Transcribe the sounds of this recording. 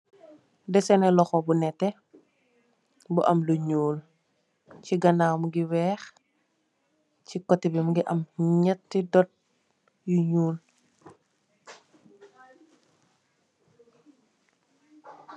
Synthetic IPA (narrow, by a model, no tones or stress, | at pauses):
dɛsɛnɛlɔxɔbunɛtːɛ | buʔɐmluɲuːl | ciɡɐnamuɡiwɛːx | cikɔtːibimuɡiʔɐmɲɛtːidɔt̚ | juɲuːl